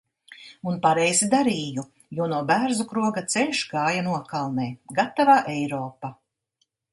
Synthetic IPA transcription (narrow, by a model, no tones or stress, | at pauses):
unpaɾɛjzid̪aɾiːju | juɔnuɔbæɾzukɾuɔɡat̪sɛlʲʃɡaːjanuɔkalˠnɛːɡat̪ːavaːʔɛjɾɔːpa